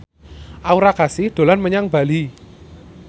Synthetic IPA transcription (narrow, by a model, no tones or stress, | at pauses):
ʔauɾakasɪhɖ̪̥o̤lanməɲaŋb̥a̤li